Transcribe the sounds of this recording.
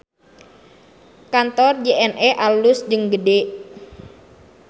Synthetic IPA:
kant̪ɔrd͡ʒeʔɛnʔɛʔalʊsd͡ʒəŋɡədeʔ

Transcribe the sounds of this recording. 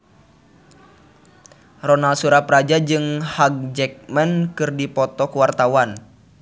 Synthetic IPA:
rɔnalsuɾapɾad͡ʒad͡ʒɨŋhaɡ̚d͡ʒɛk̚mɛnkɨrdipɔt̪ɔkuwart̪awan

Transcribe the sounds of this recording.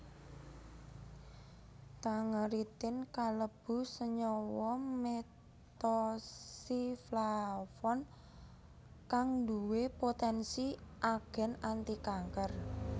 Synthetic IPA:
t̪aŋəɾit̪ɪnkaləb̥ṳsəɲɔwɔme | t̪ɔsiflafɔn | kaŋnd̪uwepot̪ɛnsiʔaɡ̥ɛ̤nant̪ikaŋkər

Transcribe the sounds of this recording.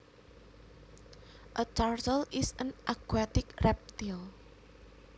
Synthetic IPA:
ʔət͡ʃaɾtəlɪsə̃nʔakwɛt̪ɪkrɛp̚t̪il

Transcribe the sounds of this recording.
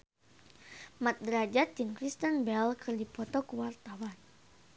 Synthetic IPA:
mat̪̚d̪əɾad͡ʒat̪inkɾist̪ənbɛlkʰərdipɔt̪ɔkuwart̪awan

